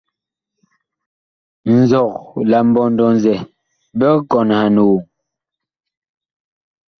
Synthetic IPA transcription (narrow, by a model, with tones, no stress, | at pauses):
n̩˨zɔ˨k̚la˨m̩˦bɔ˨ndɔ˨nzɛ˨ | bɛ˦kɔ˨nha˨nu˨